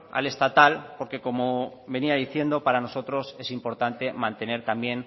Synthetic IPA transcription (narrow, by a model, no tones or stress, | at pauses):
a̰le̞st̪at̪alpo̞ɾke̞ko̞mo̞βe̞niaðiθje̞nd̪o̞paɾano̞so̞t̪ɾo̞se̞simpo̞ɾt̪ant̪e̞mãnt̪e̞ne̞ɾt̪ambje̞n